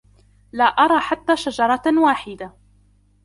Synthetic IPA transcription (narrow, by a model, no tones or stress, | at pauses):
laːʔɑɾˤɑːħat̪ːaːʃad͡ʒɑɾˤɑwaːħɪd̪a